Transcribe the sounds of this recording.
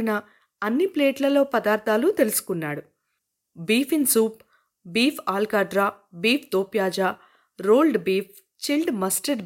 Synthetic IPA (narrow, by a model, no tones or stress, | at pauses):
nɐ | ɐnːipleːʈlɐlo̞ːpɐd̪aːɾd̪ʱaːlut̪elusu̥kunːaːɽu | biːpʰinsuːp̚ | biːpʰaːlkaːɖɾaː | biːpʰd̪oːpjaːd͡ʒaː | ɾoːlɖbiːp̚ʰ | t͡ʃilɖmɐsʈeɖ